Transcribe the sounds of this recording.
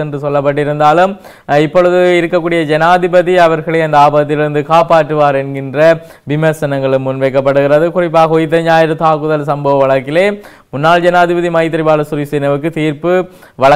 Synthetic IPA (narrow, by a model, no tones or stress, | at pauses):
ɛndrɯsɔlːɐp̬ːɐʈːɪɾɯnd̪aːlɯm | ɪpːɔɭɯðɯɪɾɯkːɐkːuːɽɪjɐd͡ʒɛnaːðɪbɐðiɐʋɐɾɣɐɭɐɪɐnd̪ɐaːbɐɐt̪ːɪlɪɾɯnd̪ɯkaːpaːʈːɯʋaːɾɛnɡɪndrɐ | ʋɪmɐsɐnɐŋɡɐɭɯmːʊnʋɛːkːɐpːɐɽɯɣɪɾɐðɯkʊrɪp̬ːaːɣɐɔjɪt̪̬ːɐɲd͡ʒaːjɪɾɐt̪aːkɯðɐlsɐmbɐʋɐʋɐɭɐkːɪleː | mʊnːaːld͡ʒɛnaːðɪbɐðimɐɪt̪̬ːɐɾɪbaːlɐsʊɾisɛnɐʋɯkːɯt̪iːɾpɯ | ʋɐɭɐ